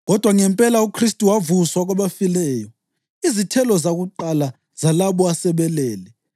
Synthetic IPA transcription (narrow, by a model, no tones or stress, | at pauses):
ɣɔd̥ʱwaŋɛmpʼɛlaukʰristʼiwavuswaɣwaβafilɛːjɔ | izitʰɛlɔzaɣuǃala | z̥alaβɔasɛβɛlɛːlɛ